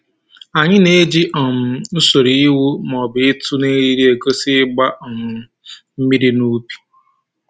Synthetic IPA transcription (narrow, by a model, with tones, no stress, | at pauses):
a˨ɲɪ˦ne˦d͡ʒi˦ʔɔ˨m̩˨n̩˦so˨ɾi˨i˦wu˦mɔ˨bɪ˨ɪ˦tʊ˦ne˦ɾi˦ɾi˦e˨ko˦sɪ˦ɡ͡ba˦ʔɔ˨mʊ˨ | m̩˦mi˦ɾi˦nu˦pi̥˨